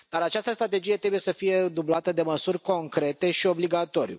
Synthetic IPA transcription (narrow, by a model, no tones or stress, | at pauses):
d̪aɾat͡ʃast̪əst̪ɾat̪e̞d͡ʒijet̪ɾe̞buje̞səfije̞d̪ublat̪əd̪e̞məsurʲko̞ŋkɾe̞t̪e̞ʃio̞bliɡat̪o̞ɾḭṵ